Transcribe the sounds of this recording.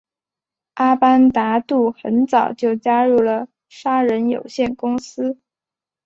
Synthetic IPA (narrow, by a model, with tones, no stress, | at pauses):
ʔa˥pa˥nt̪a˧˥t̪u˥˩xə˧˥nt͡sɑ˨˩ʊt͡ɕjo˥˩ʊt͡ɕja˥ɻu˥˩lə˩ | ʂa˥ɻə˧˥njo̰˨˩ʊɕjɛ˥˩nkʊ˥ŋsɹ̩˥